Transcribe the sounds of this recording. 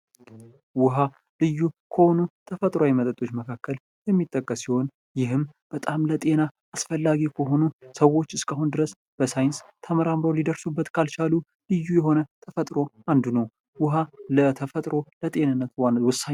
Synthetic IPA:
wʊɦa | lɨjːukʰəhonut̪ʰəfət̪ʼɾwawimət̪ʼət̪ʼːo̞t͡ʃːməkʰakːəl | jɛmːit̪ʼːəkʼːəsiho̞n | jɪɦɨmb̥ət̪ʼamlət̪ʼe̞na | asfəlːaɡikʰəɦo̞nusəwo̞t͡ʃːɨskʼaɦund̪ɨɾəs | b̥əsajɪnst̪ʰəməɾamɾəwlid̪əɾsubːət̪kʰalt͡ʃalu | lɨjːujɛɦo̞nət̪ʰəfət̪ʼɾo̞and̪unəw | wʊɦalət̪ʰəfət̪ʼɾo̞lət̪ʼe̞nɨnːət̪wawʊsaɲ

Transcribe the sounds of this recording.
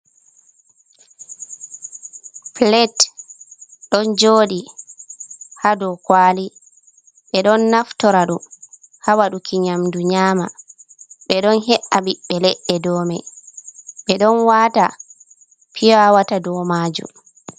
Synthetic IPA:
plɛt | ɗɔnd͡ʒoːɗi | hadɔkwaːli | ɓɛɗɔnːaftɔɾaɗu | hawaɗukʰiɲamduɲaːma | ɗɛɗɔnɦɛʔaɓiɓɛlɛɗːɛdɔːmɛ̰ | ɓɛɗɔnwata | pʰijawatadɔmaːd͡ʒṵm

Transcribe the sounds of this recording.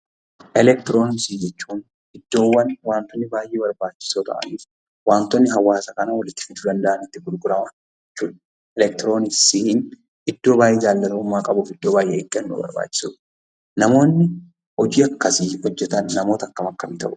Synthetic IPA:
ʔɛlɛk̚t̪ɪɾo̞ːnsid͡ʒɛt͡ʃːuːn | ɪd̪̥ːo̞ːwːɐnwaːnt̪ɔnːɪbaːjʔeːbɐɾbaːt͡ʃːɪ̥soːt̪ɐ̰ʔɐ̰niːf | waːnt̪ɔnːɪɦɐwːaːsɐkɐnɐwɐlɪt̪ːɪ̥fɪd̪uːd̪ɐnd̪ɐʔɐnɪt̪ːɪɡʊɾɡʊɾɐmɐ | d͡ʒɛt͡ʃːuːᶑɐ | ɛlɛk̚t̪ɪɾo̞ːnɪsihɪn | ɪd̪̥ːo̞ːbaːjeːd͡ʒaːlːɐlɐʊmːaːkʼɐbʊfɪd̪ːo̞ːbaːjʔekʼːɛnːṵːbɐ̰ɾba̰ːt͡ʃːɪ̥sʊ | nɐmo̞ːnːɪ | ɔd͡ʒiːɐkːɐsihɔd͡ʒːɛt̪ɐnːɐmo̞ːt̪ɐkːɐmɐkːɐmɪt̪ɐ̰ʔʊ̥

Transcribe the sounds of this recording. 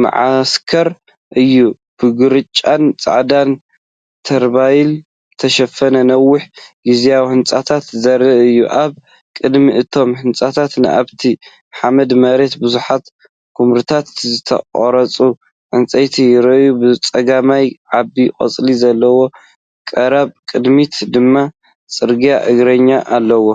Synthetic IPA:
ma̰ʕaskʰɐɾ | ʔɨjːu | b̥ɨɡɨɾɨt͡ʃʼːant͡sʼa̰ʕd̪an | t̪ʰɐɾbajil | t̪ʰɐʃɐfɐnɐnɐwːʊħɡizijawihɨnt͡sʼat̪ʰat̪zɐɾːɐʔɨjːuʔaβ | kʼɨd̪miʔɨt̪ʰo̞mhɨnt͡sʼat̪ʰat̪nɨ̰ʔa̰βt̪ʰi | ħamɐd̪mɐɾe̞t̪bɨzuħat̪ | kʰumɾɨt̪ʰat̪zɨt̪ʰɐ̰qʼɾɐt͡sʼu | ʕɨnt͡sʼɐjt̪ʰijɪɾɐjubɨt͡sʼɐɡamajʕabikʼɐ̰t͡sʼlizɐlːɐwo̞ | kʼɐɾaβkʼɨd̪mit̪d̪ɨmːa | t͡sʼɨɾɡijaʔɨɡɾɐɲːaʔalːɐwo

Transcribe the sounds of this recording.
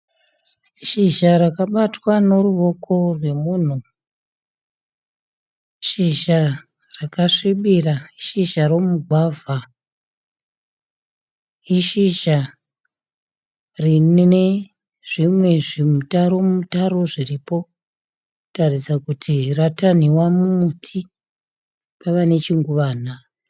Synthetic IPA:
ʃiʒaɾakaɓatwano̞ruʋo̞kʰo̞rwe̞muːn̤u | ʃiʃa | rakaʂiɓiraiʃiʃaro̞muɡʱwaːvʱa | iʃiʒa | rine | ʐ̥imwe̞ʐimutaɾo̞mutaɾo̞ʐiripo̞ | tarid͡zakutʰirataniwamumutʰi | paʋane̞t͡ʃiŋɡuʋaːn̤a

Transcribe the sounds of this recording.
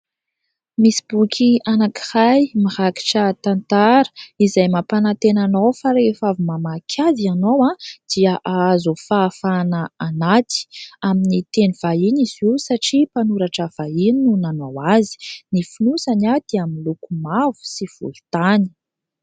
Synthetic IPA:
misi̥b̥ukʰʲianaki̥hajmihaki̥ʈ͡ʂət̪ant̪aɾə̥izajmapanat̪enanowfaɾefavumamakʲʰazianowad̪̥iaʔaazufaːfanaːnat̪i̥aminit̪eniv̥ainizuwsaʈ͡ʂipanuɾaʈ͡ʂəv̥aininunanowazi̥nifinusanad̪̥iamilukumavu̥siv̥ṵlt̪ani̥

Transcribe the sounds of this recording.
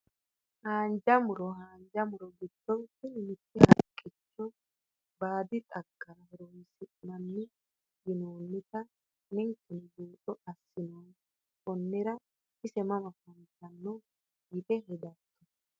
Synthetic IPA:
haːnd͡ʒɐmʊɾɔɦaːnd͡ʒɐmʊɾɔɡɪd̪̥ːɔwt̪ːɪnɪnɪt̪ːɛhɐkʼːɪt͡ʃːɔ | baːd̪ɪt̪ʼɐɡːɐɾɐhɛɾojsɪmɐnːɪ | ɡɪnoːnːɪt̪ɐ | nɪŋkːɪnbuːt̪ʼɔɐsːɪnoːn | kʼɔnːɪɾɐ | ɪsɛmɐmɐfɐnt̪ɐnːɔ | ɡɪt̪ɛɦɛd̪ɐt̪ːɔ

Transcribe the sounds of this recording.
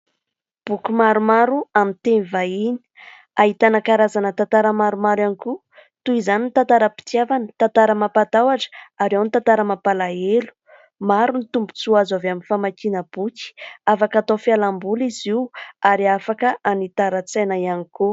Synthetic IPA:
b̥ukumaɾumaɾuamint̪enivaini̥ | aɦit̪anakaɾazanət̪ant̪aɾəmaɾumaɾaniku | t̪uizanint̪ant̪aɾəpi̥t̪iavanət̪ant̪aɾəmapat̪awaʈ͡ʂə̥aɾewnit̪ant̪aɾəmapalaelu̥ | maɾunit̪umbu̥t͡suazavaminfamakinəb̥uki̥afakat̪ofialambuliziwaɾiafakəʔanit̪aɾət͡sajnaaniku

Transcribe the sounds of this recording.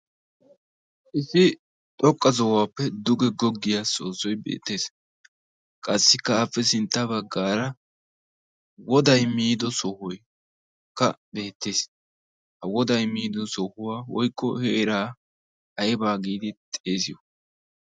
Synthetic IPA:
ʔɪsɪ | t̪ʼɔkʼːɐzɔwaːpːɛd̪ʊɡɛɡɔɡːɪjaːso̞ːsɔjbḛːt̪ːe̞ːs | kʼɐsːɪkːɐafːɛsɪnt̪ːɐbɐɡːaːɾɐ | wɔd̪ɐjmiːd̪ɔsɔhʊj | kɐ̰be̞ːt̪ːe̞ːs | hɐwɔd̪ɐjmiːd̪ɔsɔhʊwaːwɔjkːɔheːɾaː | ɐjɛbaːɡiːd̪ɪt̪ʼeːsɪjɔ

